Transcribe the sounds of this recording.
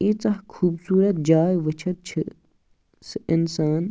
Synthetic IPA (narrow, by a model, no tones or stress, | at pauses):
it͡sɐɦkʰuːbsuːɾɐt̪̚d͡ʒaːjʋət͡ʃʰɐt̪̚t͡ʃʰɨ | sɨɪnsaːn